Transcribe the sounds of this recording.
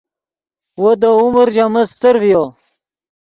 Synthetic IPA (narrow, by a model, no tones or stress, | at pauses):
wod̪əuməɾd͡ʑaməst̪əɾvijo